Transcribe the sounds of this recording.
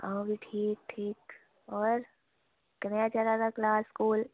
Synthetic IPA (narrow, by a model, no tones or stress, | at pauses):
ãbʱiʈʰiːk̚ʈʰiːk | ɔːɾ | knejat͡ʃaɾaɾaklaːskuːl